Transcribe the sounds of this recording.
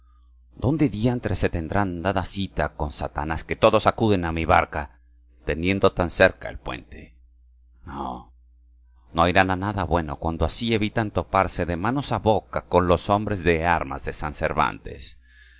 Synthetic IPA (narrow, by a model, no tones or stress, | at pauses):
d̪̥o̞nd̪eðjient̪ɾese̞t̪e̞nd̪ɾand̪aðasit̪ako̞nsat̪anaske̞t̪o̞ðo̞sakuðe̞namiβaɾka | t̪e̞nje̞nd̪o̞t̪anse̞ɾkaelpwe̞̰nt̪e | no̰ | no̞ajɾananaðaβwe̞no̞̰kwand̪oasie̞βit̪ant̪o̞paɾse̞ðe̞mano̞saβo̞kako̞nlo̞so̞mbɾe̞zðe̞aɾma̰zðe̞sansḛɾβa̰nt̪e̞̰s